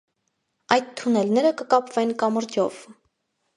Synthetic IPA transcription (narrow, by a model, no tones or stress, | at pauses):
ɑjt̪t̪ʰːunɛlnɛɾəkəkɑpvɛnkɑməɾd̪jɔv̥